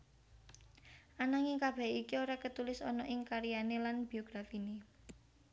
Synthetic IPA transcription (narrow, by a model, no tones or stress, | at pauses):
ʔanaŋekab̥ɛ̤ikioɾakət̪ulɪsɔnɔʔɪŋkaɾijanelanb̥i̤oɡ̥ɾafine